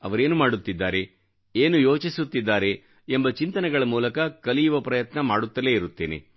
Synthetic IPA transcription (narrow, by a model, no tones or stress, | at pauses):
ɐ̰ʋɐɾe̞ːnumaːɽut̪ːid̪ːaːɾe̞ | eːnujo̞ːt͡ʃisut̪ːid̪ːaːɾe̞ | embɐt͡ʃint̪ɐnɛɡɐɭɐmuːlɐkɐkɐlijuʋɐpɾɐjɐt̪nɐmaːɽut̪ːɐle̞ːiɾut̪ːeːnḛ